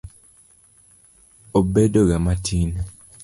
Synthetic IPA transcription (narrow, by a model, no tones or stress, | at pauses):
obedoɡamatʰin